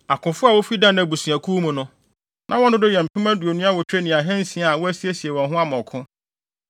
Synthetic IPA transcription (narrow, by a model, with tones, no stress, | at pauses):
a˨kʰʊ̃˨fʊ˦a˨wo˦fi˦dã˦n˦æ˨bu˨sĩ˨æ˨kʰuː˦mũ˨nʊ̃˦ | nʔã˦wɔ̃˦nʊ̃˦dɪ˦jɛ̃˨m̩˨pʰʊ̃˦m˦æ˦du˨o˨nũ˦a˦wɔ˨t͡ɕᶣɾe˦nɪ̃˨a˨ɦɛ̃˦n̩˦sĩ˦a˨a˨wo˦æ˦si˦e˦si˨e˨wɔ̃˨nɦʊ̃˦a˦mɔ̃˨kʰʊ̃˦